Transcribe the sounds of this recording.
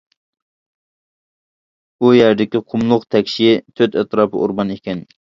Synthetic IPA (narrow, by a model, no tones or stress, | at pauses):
ujæɾd̪ɪkʲiqʰʊmlˠʊqt̪ʰɛkʲʃijɪt̪ʰøt̪ɛt̪ɾɑːpʰɨʔṵɾbɑnekʲɛn